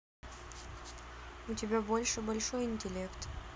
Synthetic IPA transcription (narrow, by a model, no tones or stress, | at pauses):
ʊtʲɪbʲabo̞lʲʂɨbɐlʲʂo̞jɪnʲtʲɪlʲekt̪